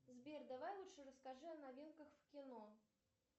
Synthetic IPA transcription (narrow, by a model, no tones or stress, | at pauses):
zbʲerd̪avajlˠuʂɨɾəskaʐɨɐnavʲinkəxfkʲɪno